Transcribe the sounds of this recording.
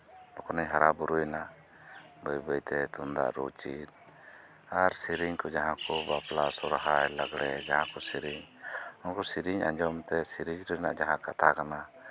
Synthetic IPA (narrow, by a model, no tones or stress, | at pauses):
nɔkʰɔnəɲɦaɾabuɾujna | bəjbəjt̪ɛt̪und̪a̰ʔɾɔ̰t͡ʃit̪̚ | aɾsiɾiɲkɔd͡ʒaɦãkɔbaplasɔɾaɦajləɡɽɛd͡ʒaɦãkɔsiɾiɲɔnkɔsiɾiɲa̰ɲd͡ʒɔmt̪ɛsiɾid͡ʒɾɔna̰ʔd͡ʒaɦãkat̪ʰakana